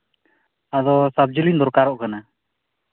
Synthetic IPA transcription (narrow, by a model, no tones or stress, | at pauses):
ad̪ɔsab̚d͡ʒəlind̪ɔɾkaɾɔʔkana